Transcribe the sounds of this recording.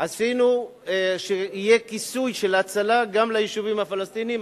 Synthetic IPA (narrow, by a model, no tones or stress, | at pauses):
asinu | ʃeije̞kisujʃe̞lat͡salaɡamlajeʃuvimhafalast̪iniim